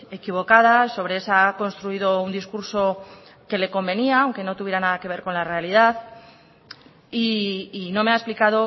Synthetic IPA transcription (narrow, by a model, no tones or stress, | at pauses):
e̞kiβ̞o̞kað̞aso̞βɾe̞esako̞nst̪ɾuiðo̞und̪iskuɾso̞ | ke̞le̞ko̞mbe̞niaawŋke̞no̞t̪uβje̞ɾanaðake̞β̞e̞ɾko̞nlare̞alið̞aθ | iːno̞me̞aesplikað̞o̞